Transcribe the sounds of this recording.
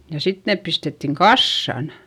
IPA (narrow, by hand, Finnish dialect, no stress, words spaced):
jɑ sit neːp pistetːiŋ kɑsːɑn